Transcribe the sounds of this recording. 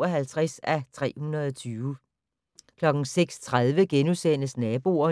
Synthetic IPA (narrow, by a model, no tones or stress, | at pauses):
ɒɦælt͡sʰʁasæt͡sʰʁɛ̰ːhunɐð̞ˠɒt͡sʰyːʊə | kʰlɒ̽ɡ̥n̩seɡ̥st͡sʰʁað̞ˠʋəɡ̥enusen̰əsnɛːb̥o̝ɐ